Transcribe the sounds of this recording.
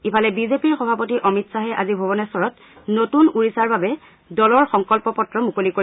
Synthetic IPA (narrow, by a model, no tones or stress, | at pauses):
ipʰalɛbizepiɹxɔbʱapotiʔɔmitsaɦɛʔazibʱɔbɔnɛsɔɹɔt | notunuɹisaɹbabɛ | dɔlɔɹxɔŋkɔlpɔpɔtɹɔmukoliko